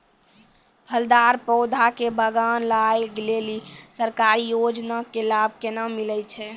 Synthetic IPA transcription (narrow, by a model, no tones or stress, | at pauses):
pʰəld̪aɾpɔʊd̪ʱakebʱəɡanlajɡelelisəɾkaɾijod͡ʒnakelab̚ʱkenamilət͡ʃʰɛ